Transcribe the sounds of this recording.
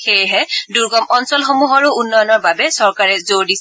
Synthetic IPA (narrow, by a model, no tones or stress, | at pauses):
xejɦɛduɹɡɔmɔnsɔlxomuɦɔɹuunːɔjɔnɔɹbabɛsɔɹkaɹɛzoɹdis